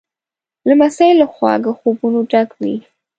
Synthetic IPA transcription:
lamasajlːaxwɑ̰d̪əxobunoɖaɡwi

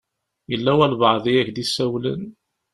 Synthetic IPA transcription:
jəlːæwælvɑʕðˤiæçd̪isæwlə̰n

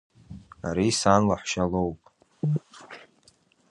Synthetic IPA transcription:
a̰ɾisanlaħʷʃalowpʼ

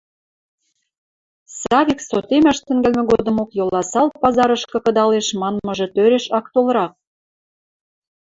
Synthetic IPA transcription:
sɑβʲiksot̪emæʃt̪ɘ̆ŋɡælmɘ̆ɡod̪ə̆mokjolɑsɑlt̪̚pɑzɑɾəʃkɤ̆kɤ̆d̪ɑleʃmɑnmɤ̆ʒĕt̪øɾeʃɑkt̪olɾɑk̚

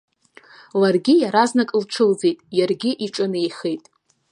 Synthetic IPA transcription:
larɡʲɪjaɾaznakʼɨlʈ͡ʂʰɨld͡zejtʼjarɡʲɪʔiʈ͡ʂʼɨnejχejtʼ

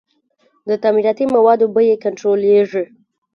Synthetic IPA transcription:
d̪ət̪amiɾɑt̪imawɑd̪obəjekanɳʈɾoleʐi

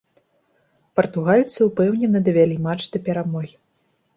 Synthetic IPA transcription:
pɐrt̪uɣalʲt̪sɨwpɛwnʲɛnɐd̪ɐvʲalʲimat͡ʂd̪ɐpʲɛɾamɔɣʲi

